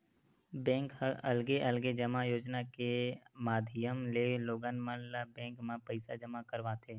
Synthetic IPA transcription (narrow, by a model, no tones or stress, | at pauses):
bɛ̃ːŋkəəlɡeʔəlɡed͡ʒəmajoːd͡ʒnakemaːd̪ʱɪjəmleloːɡanmə̃labɛ̃ːŋkmãpəɪsad͡ʒəmakəɾʋat̪ʰeː